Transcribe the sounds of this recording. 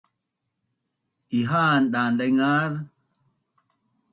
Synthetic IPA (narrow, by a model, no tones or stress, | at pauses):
ʔiɦaːnɗandajŋað